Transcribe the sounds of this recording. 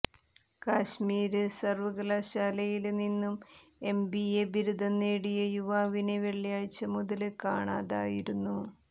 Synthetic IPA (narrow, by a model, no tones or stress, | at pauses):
kaːɕmiːɾɨsɐrʋɐɡɐlaːɕaːlɐjilninːume̞mbiebiɾud̪ʱɐnːeːɽijɐjuʋaːʋineʋeɭːijaːjt͡ɕːɐmuðɐlɨkaːɳaːðaːjiɾunːu